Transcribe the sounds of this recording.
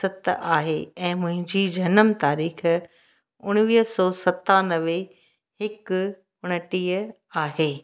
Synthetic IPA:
sɐt̪ʔaːɦeːɛ̃ːmʊ̃ɦɪ̃ɲd͡ʑiːd͡ʑʱɐnəmt̪aːɾiːx | ʊɽ̃ʋiːɦsɔːsɐt̪anɐʋe | hɪk | ʊɽ̃əʈiːə | aːɦeː

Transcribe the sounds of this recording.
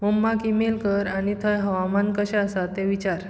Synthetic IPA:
məmːakimelkəɾañit̪ʰəjɦəʋamankəɕɛəsat̪eʋit͡ɕaɾ

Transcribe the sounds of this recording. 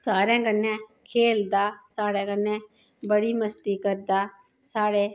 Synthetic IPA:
saːɾɛ̃ːkənːɛ̃ːkʰeːld̪aːsaːɾɛ̃ːkənːɛ̃ː | bəɽiːməst̪iːkəɾd̪aː | saːɽeː

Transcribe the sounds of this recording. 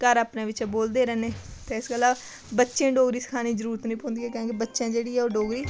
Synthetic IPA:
kəɾaːpnẽːʋɪt͡ʃːboːld̪eːɾɛːneːt̪eːɪsɡəlaː | bətːʃẽːɖoːɡɾiːsə̥kʰaːniːd͡ʒəɾuːɾət̪nəĩːpoːnd̪iːɛːkõːkebətːʃãːd͡ʒeːɽiːɛːoːɖoːɡɾiː

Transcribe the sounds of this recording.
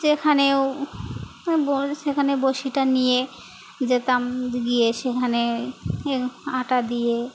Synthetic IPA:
d͡ʑekʰaneo | boʃekʰaneboʃiʈanije | d͡ʑet̪amɡijeʃekʰane | aʈad̪ije

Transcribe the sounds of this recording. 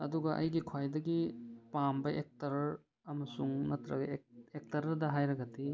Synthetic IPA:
ɐduɡɐʔɐ̰jɡikʰwajdɐɡipambɐʔek̚tɐɾɾ | ɐmɐsuŋnɐtɾɐɡɐek̚tɐɾdɐɦajɾɐɡɐdi

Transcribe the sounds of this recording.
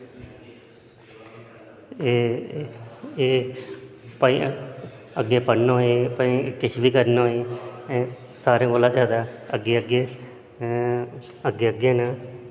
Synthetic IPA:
e | eː | pəḭ̃ | əɡːeːpəɽnoɦepəĩːkɪt͡ʃʰʋiːkəɾnoːi | saːɾẽːɡoːlãːt̪aːd̪aːəɡːeːəɡeː | əɡeːəɡeːnaː

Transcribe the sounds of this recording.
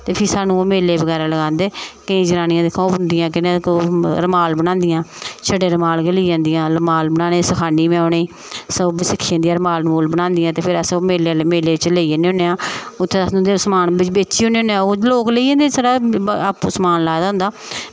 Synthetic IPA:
t̪eːpʰɪsaːnũːoːmeːlːeːbəɣɛːɾaːləɡãːnd̪eːkəĩːd͡ʒəɾaːnɪjãːd̪ɪkʰːãːbənd̪ɪjãːkɪnẽkoɾəmaːlbəñãːnd̪ɪjãːt͡ʃʰəɖeːɾəmaːlɡəliːd͡ʒãːnd̪ɪjãːɾəmaːlbənãːnẽːsəkʰaːniːmẽaːneː | səsɪkʰːiːjãːnd̪ijãːɾəmaːlmoːlbənãːnd̪ɪjãːt̪eːpʰɪɾəsoːmeːlemeːleːʋɪt͡ʃleːiəneːʊ̃nːeːãːʊt̪ʰːẽsnũːd̪esəmaːnbɪt͡ʃbeːt͡ʃiːʊneːõneãːoːloːkleːid͡ʒẽːd̪eːsaɖaːapːoːsəmaːnlaːd̪ãːʊ̃nd̪aː

